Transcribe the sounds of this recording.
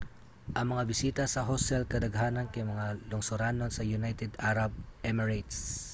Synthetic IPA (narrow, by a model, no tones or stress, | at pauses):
ʔɐŋmɐŋabɪsiːt̪ɐsɐɦosɛlkɐd̪ɐɡɦaːnɐnkɐjmɐŋalʊŋsʊɾanonsɐjʊnajt̪ɛd̪aɾɐb̚ʔɛmɛɹajt̪s